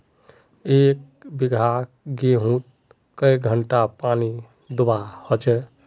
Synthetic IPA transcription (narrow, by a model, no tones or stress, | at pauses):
ek̚ | biɡʱa | ɡeɦũt̪̚ | kəjɡʱəɳʈapani | d̪ubahɔt͡ʃʰɛ